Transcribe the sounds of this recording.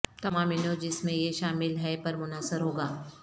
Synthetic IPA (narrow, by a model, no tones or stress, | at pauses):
t̪ɐmaːmɪnõd͡ʒɪsmẽjeʃaːmɪlɦɛepɐɾmʊnaːsəɾɦoːɡaː